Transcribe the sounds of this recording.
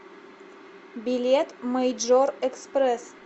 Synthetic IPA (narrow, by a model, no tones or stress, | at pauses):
bilʲet̪məjʒorekspres